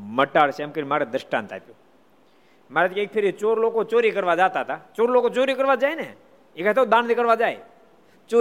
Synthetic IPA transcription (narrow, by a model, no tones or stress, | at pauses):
məʈaːɽsʰɛmkəɾimaːɾed̪ɾəʃʈã̰ːnt̪ʰa̰p̪joː | maːɾet̪keːk̚pʰɪɾit͡ʃoːɾloːkot͡ʃoːɾikəɾʋad͡ʒaːt̪at̪ʰat͡ʃoːɾloːkot͡ʃoːɾikəɾʋad͡ʒaːene | ekat̪ʰod̪aːnd̪ikəɾʋad͡ʒaːḛ | t͡ʃo